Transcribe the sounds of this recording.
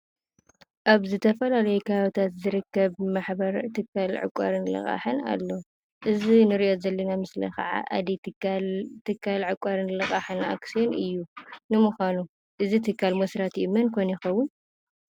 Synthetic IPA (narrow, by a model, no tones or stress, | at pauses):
ʔaβzɨt̪ʰɐfɐlalɐjukʰaβawt̪ʰat̪zɨɾɨkːɐβmaħbɐɾt̪ʰɨkʰːalʕɨ̰kʷʼːa̰ɾɨnlɐ̰xʼa̰ħɨna̰lːo̞ | ʔɨzinɨɾiʔo̞zɐlːɐnamɨslɐ̰xɐ̰ʕa̰ʔa̰d̪ilt̪ʰɨkʰːalʕɨkʷʼːaɾɨnlɐxʼaħɨna̰ksionʔɨjːunɨmuxʷanu | ʔɨzit̪ʰɨkʰːalmɐsɾat̪ʔimɐnkʰojnjɪxɐwːʊn